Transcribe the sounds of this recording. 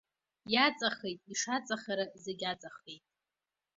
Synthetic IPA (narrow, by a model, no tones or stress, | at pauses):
jat͡sʼaχejtʼiʂat͡sʼaχaɾazeɡʲat͡sʼaχe̞jtʼ